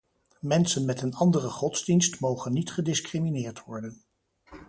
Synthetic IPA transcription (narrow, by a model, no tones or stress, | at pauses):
mɛnsənmɛtənɑndərəχɔdz̥dinstmowχənːitχədɪskriminɪːɹtʋɔɹdən